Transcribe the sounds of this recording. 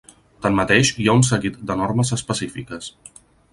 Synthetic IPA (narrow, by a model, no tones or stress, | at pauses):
t̪ənmət̪eʃiauns̬əɣit̪̚d̪ənoɾməzəspəsifikəs